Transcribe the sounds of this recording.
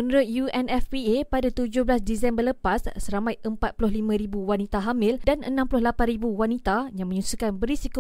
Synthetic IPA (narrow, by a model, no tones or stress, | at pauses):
ənɾʊt̪̚juɛnɛfwiepadat̪ud͡ʒʊhblasdisɛmbərləpasːəɾamajʔəmpat̪̚plʊɦlimãɾibuwanit̪aɦamɪldanʔənãmplʊhlapanribuwanit̪ajaŋmə̃ɲusukanbəɾisiko